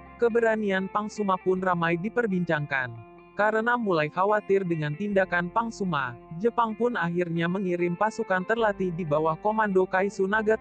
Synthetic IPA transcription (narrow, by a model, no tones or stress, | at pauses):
kəbəɾanianpaŋsumapʊnramajdipərbiɲt͡ʃaŋkan | kaɾənamulajkawat̪ɪrdəŋant̪indakanpaŋsumad͡ʒəpaŋpʊnaɦirɲaməŋiɾɪmpasukant̪ərlat̪idibawahkomandokaisunaɡa